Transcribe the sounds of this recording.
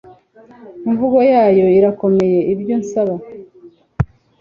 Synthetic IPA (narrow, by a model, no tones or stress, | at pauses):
iɱvuɡo̞jaːjo̞iɾako̞me̞je̞ibjo̞nsaβa